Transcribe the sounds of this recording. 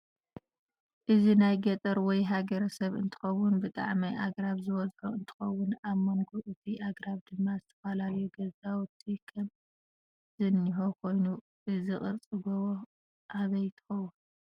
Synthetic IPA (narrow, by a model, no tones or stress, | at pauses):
ʔɨzinajɡɐt̪ʼɐɾwɔjɦaɡɐɾɐsɐβɨ̰nt̪ʰɨ̥xɐwʊnbɨt̪ʼa̰ʕmajʔaɡɾaβzɨwɔzħoɨnt̪ʰɨ̥xɐwːʊnaβmɐŋɡuʔɨt̪ʰiʔaɡɾaβd̪ɨmːazɨt̪ʰɐ̥falaljuɡɐzawʊt̪ʰʼikʰɐm | zɨnːiħokʰo̞jnu | ʔɨziχʼɨɾt͡sʼɨɡowo | ʔaβɐjt̪ʰɨ̥xɐwːʊn